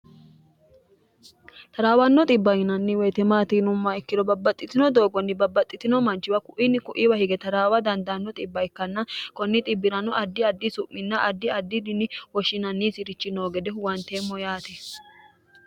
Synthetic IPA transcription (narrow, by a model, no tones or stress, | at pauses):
t̪ɐɾaːwɐnːɔt̪ʼɪbːɐjɪnɐnːɪwɔjt̪ɛmaːt̪inʊmːaɪkːɪd̪ɔbɐbːɐt̪ʼːɪt̪ɪnɔd̪oːɡɔnːɪbɐbːɐt̪ʼːɪt̪ɪnɔmɐnt͡ʃːɪwɐkʊʔinːɪkʊʔiwɐhɪɡɛt̪ɐɾaːwɐd̪ɐnd̪ɐnːɔt̪ʼɪbːɐjkːɐnːɐkɔnːɪt̪ʼɪbːɪɾɐnɔʔɐd̪ːɪɐd̪ːɪsʊʔːɪnːɐʔɐd̪ːɪɐd̪ːɪd̪ɪnːɪwɔʃːɪnɐnːisɪɾɪt͡ʃːɪnoːɡɛd̪ɛwɐnt̪eːmːɔjaːt̪ɛ